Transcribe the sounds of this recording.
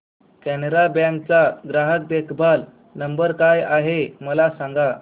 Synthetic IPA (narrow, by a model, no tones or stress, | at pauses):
kæneɾabɛ̃ŋk̚t͡saɡɾaɦək̚d̪ekʰbʱal | nəmbəɾkajaɦeməlasãŋɡa